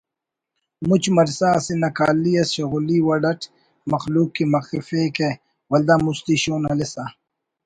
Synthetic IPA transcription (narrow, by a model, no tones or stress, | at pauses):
mut͡ʃmɐɾsaːsinɐkaːlːiɐsɕɐɣuliwɐɖɐʈʰ | mɐxluːkːimɐxifeːke | wɐld̪aːmust̪iɕoːnɐlesa